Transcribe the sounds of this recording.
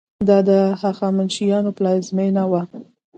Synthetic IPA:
d̪ɑd̪əhaxɑmanʃijɑnoplɑjzmenawa

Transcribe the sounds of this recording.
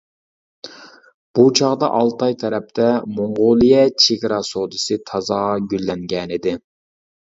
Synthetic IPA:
b̥ut͡ʃʰɑʁd̪ɑ̰ʔɑlˠt̪ʰɑjt̪ʰɛɾɛp̚t̪ʰɛmoɴʁolˠɨjɛt͡ʃʰeɡʲɾɑsod̪ɨsɨt̪ʰɑzɑɡʲylːɛŋɡʲɛnɪd̪ɪ

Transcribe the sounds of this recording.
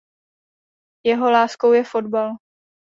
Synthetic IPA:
jɛɦo̞laːskowjɛfo̞dbal

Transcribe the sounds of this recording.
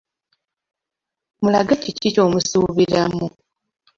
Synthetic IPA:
mulaɡacicico̞ːmusuβiɾamu

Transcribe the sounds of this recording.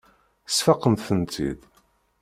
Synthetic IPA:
sfɑqːəmθənt̪ʰḭð

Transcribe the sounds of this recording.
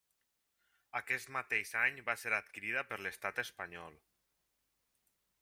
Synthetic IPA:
akɛst̪mat̪ezaɲbaseɾat̪kiɾiðəpəɾləst̪at̪əspaɲɔlˠ

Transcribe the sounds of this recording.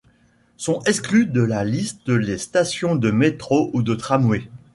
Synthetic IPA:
sɔ̃ɛksklyd̪əlalist̪̚əlest̪asjɔ̃d̪əmet̪χoʔud̪ət̪χamwe

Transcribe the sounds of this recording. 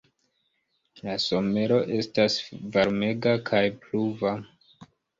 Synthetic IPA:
laso̞me̞ɾo̞ʔe̞stasvaɾme̞ɡakʰajpluva

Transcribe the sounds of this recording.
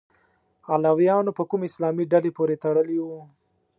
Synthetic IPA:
alawjɑnopəkumeɪslɑːmiɖalepoɾet̪aɽəliwu

